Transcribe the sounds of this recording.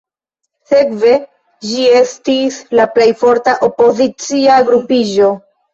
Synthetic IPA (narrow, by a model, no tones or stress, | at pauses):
se̞kve̞ | d͡ʒie̞stislaple̞jfo̞ɾtaʔo̞po̞zit͡siaɡɾupiʒo̞